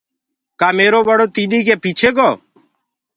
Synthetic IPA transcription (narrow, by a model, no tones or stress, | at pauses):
kaːmeːɾoːbəɽoːt̪iːɗiːkeːpiːt͡ʃʰeːɡɔː